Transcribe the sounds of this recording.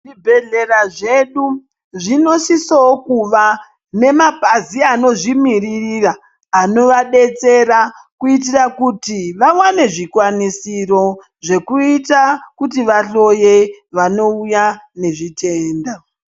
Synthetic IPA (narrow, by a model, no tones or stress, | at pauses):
ʐibʱe̞ɮe̞raʐe̞ɗu | ʐino̞sisookuʋa | ne̞mapaziano̞ʐimiririraː | no̞ʋaɗe̞t͡se̞ɾakuit̬irakutiʋawane̞ʐikwanisiro̞ | ʐe̞kuitakutiʋaɬo̞je̞ʋano̞ujane̞ʐite̞ːnda